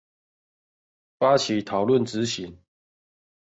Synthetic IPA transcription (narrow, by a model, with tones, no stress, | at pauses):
fa˦t͡ɕʰi˨˦t̪ʰɑ˨˩ʊlwə˥˨nt͡sɻ̩˨˦ɕi˨˦ŋ